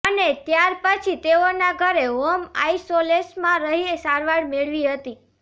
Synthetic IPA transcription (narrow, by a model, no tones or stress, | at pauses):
ənet̪jaɾpət͡ʃʰit̪eonaɡʱəɾeɦoma̰isolesmãɾəɦiesaɾʋaɽmeɭʋiɦət̪i